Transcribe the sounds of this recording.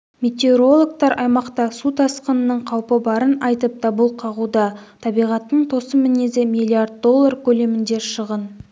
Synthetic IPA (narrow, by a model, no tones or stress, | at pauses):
mʲe̞t̪eoɾo̞lˠok̚t̪ɑɾʔɑjmɑqt̪ɑsut̪ʰɑsqənənəɴqʰɑwpəbɑɾənɑjt̪əp̚t̪ɑbəlˠqʰɑʁud̪ɑt̪ʰɑbijʁɑt̪ːəɴt̪ʰo̞səmɪnezemʲijlʲˠiard̪̚d̪o̞lˠːarkʲʰɵle̞mɪnd̪e̞ɾʃəʁən